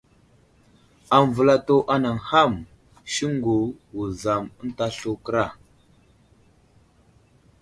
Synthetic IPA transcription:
a˨n˨və˨la˦to˦ʔa˦na˨ŋha˦˨m | ʃi˦ŋɡu˨wu˨za˨m˦n̩˦ta˦ɬu˦kə˦ɾa˦˨

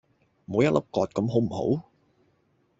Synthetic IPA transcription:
mo˨˧wjɐ˥t̚lo˥p̚kɔː˨˧t̚kɐ˨˧˥mɦo˨˥wm̩˨˩ho̰˨˥w

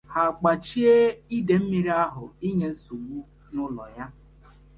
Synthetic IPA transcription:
ha˨k͡pa˨t͡ʃi˦e˦i˦de˨m̩˦mi˨ɾi˦a˦ɦʊ˨i˦ɲe˦su˨mu˦ | nʊ˦lɔ̰˨ja˦

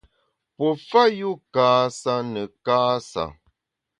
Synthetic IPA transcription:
pɔ˨fa˦ju˦kaː˨˦sa˦nə˨kaː˦sa̰˨

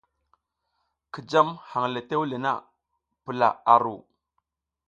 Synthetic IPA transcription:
ki˨d͡ʒa˦mha˨ŋle˨te˦wle˨na̰˦ | pə˨la̰˨a˨ɾu˨

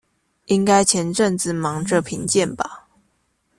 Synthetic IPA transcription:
i˥ŋka˥ɪt͡ɕʰjɛ˧˥˦nʈ͡ʂə˥˧ŋt͡sɹ̩˨˩mɑ˧˥ŋʈ͡ʂə˥˨pʰi˧˥ŋt͡ɕjɛ˥˨nba˨˩

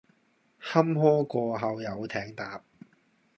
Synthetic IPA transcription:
hɐ˥mhɔː˥kɔː˧ɦɐ˨˧wjɐ˨˧wt̪ʰɛː˨˥ŋt̪aː˨p̚

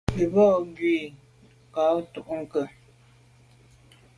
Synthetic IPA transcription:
i˨bɔ˦˨ŋ˦ɡi˨ | ka˨˦tu˦˨ʔŋ̩˨kə˨

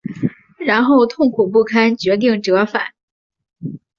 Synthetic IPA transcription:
ɻa˧˥nxo˥˧ʊt̪ʰʊ˥˩ŋkʰu˨˩p̬u˥˩kʰa˥nt͡ɕɥɛ˧˥t̪̬i˥˩ŋʈ͡ʂɤ˧˥fa˨˩˦n

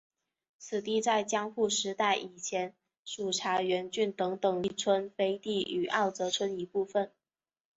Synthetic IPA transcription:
t͡sʰɹ̩˨˩t̪i˥˧t͡sa˥˩ɪt͡ɕjɑ˥ŋxu˥˩ʂɻ̩˧˥t̪a˥˩ɪʔi˨˩t͡ɕʰjɛ˧˥n | ʂu˨˩ʈ͡ʂʰa˧˥ɥɛ˧˥nt͡ɕy˥˩nt̪ɤ˧˥ŋt̪ɤ˨˩ŋi˥˩t͡sʰwə˥nfe˥ɪt̪i˥˩y˨˩ʔɑ˥˩ʊt͡sɤ˧˥t͡sʰwə˥ni˧˥pu˥˧fə˥˩n

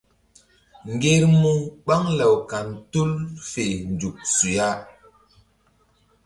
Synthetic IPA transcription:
ŋɡe˦ɾmu˦ɓa˦ŋlə˨wka˨ntu˦lfe˨nd͡ʒu˨k̚su˨ja˦

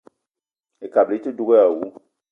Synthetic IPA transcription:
e˨ka˨ble˨˦te˦du˦ɡe˦a˨wu˨˦

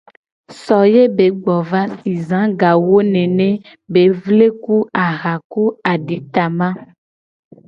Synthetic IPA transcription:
sɔ˨je˦be˨˦ɡ͡bɔ˨va˦si˨zã˨˦ɡa˨wo˦nẽ˨nẽ˦ | be˨vle˦ku˦a˨ɣa˨ku˦a˨ɖi˨˦t̪a˨mã˦

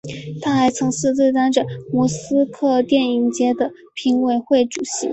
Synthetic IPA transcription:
t̪ʰa˥xa˧˥ɪt͡sʰɤ˧˥ŋʂɻ̩˥˧t͡s̪we˥˧ɪt̪a˥nʈ͡ʂə˩mu˧˥sɹ̩˥kʰɤ˥˧t̪jɛ˥˩ni˨˩ŋt͡ɕjɛ˥d̪ə˨ | pʰi˧˥ŋwe˨˧˩ɪxwe˥˩ɪʈ͡ʂu˨˩ɕḭ˧˥

